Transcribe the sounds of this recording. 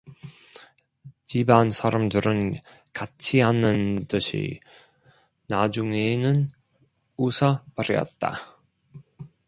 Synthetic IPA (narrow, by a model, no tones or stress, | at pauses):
t͡ɕibansʰaɾʌmdɯɾɯn | kat͡ɕʰiɦanɯntɯɕʰḭ | nad͡ʑuŋenɯn | usʰʌpaɾjʌ̰t̚t͈a̰